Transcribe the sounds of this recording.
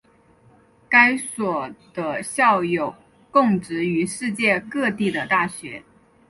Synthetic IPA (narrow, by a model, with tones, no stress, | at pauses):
ka˥ɪswɔ˨˩d̪̥ə˦ɕjɑ˥˩ʊjo˨˩ʊ | kʊ˥˩ŋʈ͡ʂɻ̩˧˥y˧˥ʂɻ̩˥˧t͡ɕjɛ˥˧kɤ˥˧t̪i˥˩d̪ə˩t̪a˥˩ɕɥɛ˧˥